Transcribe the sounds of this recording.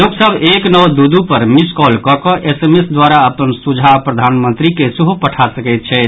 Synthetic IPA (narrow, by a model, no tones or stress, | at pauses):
loksəbʱeknɔwd̪ud̪upəɾmiskɔlkɔkɔʔesemesd̪waɾaəpənsud͡ʒʱapɾəd̪ʱanmə̃nt̪ɾikesuɦupəʈʰasəkɛɪt̪̚t͡ʃʰɛ